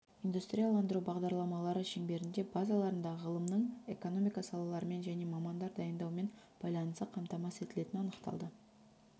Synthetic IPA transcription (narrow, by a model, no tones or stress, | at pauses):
ind̪ust̪ɾʲijalˠɑnd̪əɾubɑʁd̪ɑɾlˠɑmɑlˠɑɾəʃeŋbe̞ɾɪnd̪e̞bɑzɑlˠɑɾənd̪ɑʁəʁəlˠəmnəɴe̞̰ko̞no̞mijkɑsɑlˠɑlˠɑɾəme̞nʒæne̞mɑmɑnd̪ɑɾd̪ɑjənd̪ɑwme̞n | b̥ɑjlˠɑnəst̪əqʰɑmt̪ɑmɑset̪ɪle̞t̪ɪnɑnəqt̪ɑ̰lˠd̪ə